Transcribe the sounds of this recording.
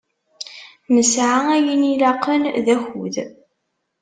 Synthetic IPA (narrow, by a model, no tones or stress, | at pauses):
nəsʕaæjənilɑqʰːənðæçuð